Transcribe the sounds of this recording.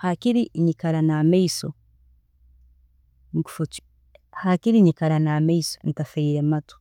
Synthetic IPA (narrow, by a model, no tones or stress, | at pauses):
hakiɾiɲikaɾanameiso | ŋ̩ku̥fot͡ʃi̥ | hakiɾiɲikaɾanameiso̥n̩tafɛiɾematu̥